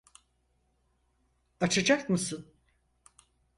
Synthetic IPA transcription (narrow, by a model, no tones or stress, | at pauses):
at͡ʃʰad͡ʒakmɯsɯn